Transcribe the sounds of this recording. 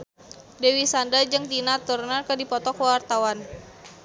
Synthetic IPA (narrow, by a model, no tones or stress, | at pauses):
dewisandad͡ʒɨŋt̪inat̪urnərkədipɔt̪ɔkwart̪awan